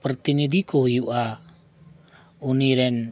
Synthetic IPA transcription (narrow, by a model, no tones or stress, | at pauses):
pɾət̪inid̪ʱikɔɦujuʔa | uniɾɛn